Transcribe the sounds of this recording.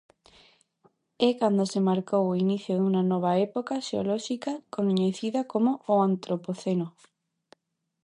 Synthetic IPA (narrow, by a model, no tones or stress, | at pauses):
ɛkand̪osemaɾkowoiniθjoðuŋanɔβ̞aɛpokaʃeo̰lɔʃikakonɲeθiðɐkomoːant̪ɾopoθeno